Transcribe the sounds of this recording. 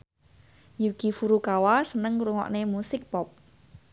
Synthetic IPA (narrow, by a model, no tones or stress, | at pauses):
jukifuɾukawasənəŋɾuŋɔ̰ʔnemusɪk̚pɔp̚